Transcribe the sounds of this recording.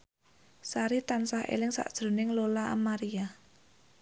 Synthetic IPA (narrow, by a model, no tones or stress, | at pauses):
saɾit̪ansahḛlɪŋsa̰ʔd̥ʒ̥ɾo̤nɪŋlolaʔa̰maɾia